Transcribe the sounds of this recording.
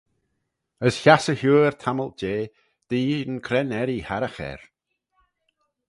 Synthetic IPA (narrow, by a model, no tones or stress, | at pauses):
əsçasəhuːɹt̪ʰaməlt̚d͡ʒeː | d̪̥iːənkʰɾɛnɛɾihaɾəxɛ̰ɹ